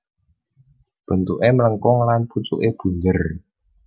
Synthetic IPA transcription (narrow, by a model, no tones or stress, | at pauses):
b̥ə̤nt̪uʔemələŋkʊŋlanput͡ʃṵʔeb̥uɲd͡ʒər